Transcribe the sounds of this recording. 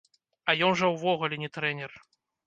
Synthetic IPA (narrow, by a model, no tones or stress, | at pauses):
ɐjɔnʐɐwvɔɣulʲɛnʲɛt̪ɾɛnʲɛr